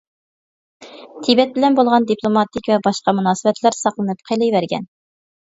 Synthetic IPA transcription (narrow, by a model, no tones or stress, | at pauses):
t̪ʰibɛt̪̚bɪlɛnbolˠʁɑnd̪ipʰlˠomɑt̪ʰɪkʲvɛbɑʃqɑmunɑːsɨbɛt̪ʰlæɾsɑqlˠɨnɨp̚qʰelˠɨjvæɾɡʲɛ̰n